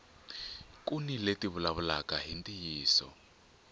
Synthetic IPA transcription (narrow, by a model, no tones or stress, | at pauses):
kuniletiβulaβulakaɦintʼijiːsɔ̰